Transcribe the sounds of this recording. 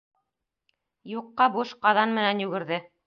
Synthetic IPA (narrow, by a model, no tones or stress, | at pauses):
juqːɑbuʃqɑðɑnmɘ̆nænjʉɡɘ̆ɾðɘ